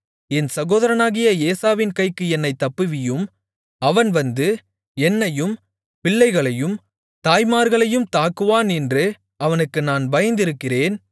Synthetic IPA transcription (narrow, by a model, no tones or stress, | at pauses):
ɛnsɐɣoːðɐɾɐnaːɣɪjɐeːsaːʋɪnkɐɪkːɯɛnːɐɪt̪ːɐpːɯʋɪjɯm | ɐʋɐnʋɐnd̪ɯ | ɛnːɐjɯm | pɪɭːɐɪɣɐɭɐjɯm | t̪aːjmaːɾɣɐɭɐjɯmt̪aːkːɯʋaːnɛndrɯ | ɐʋɐnɯkːɯnaːnbɐjɐnd̪ɪɾɯkːɪreːn